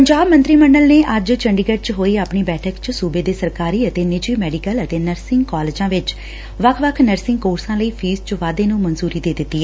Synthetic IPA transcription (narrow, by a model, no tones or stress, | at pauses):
pəɲd͡ʒaːbmə̃nt̪ɾiːməɳɖəlneːʔəd͡ʒt͡ʃəɳɖiɡəʈ̚t͡ʃɦoːiːapɳiːbɛːʈʰəkt͡ʃsuːbeːd̪eːsəɾkaːɾiːət̪eːnɪd͡ʒiːmɛːɖikələt̪eːnəɾsɪŋɡkɔːleːd͡ʒãːʋɪt͡ʃ | ʋəkʰʋəkʰnəɾsɪ̃ŋɡkoːɾsãːləiːpʰiːst͡ʃʋaːd̪eːnũːmənzuːɾiːd̪eːd̪ɪt̪ːiːɛ